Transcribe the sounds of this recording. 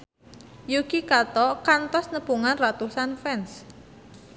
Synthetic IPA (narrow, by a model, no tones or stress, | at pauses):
jukikat̪ɔkant̪ɔsnəpuŋanrat̪usanfɛns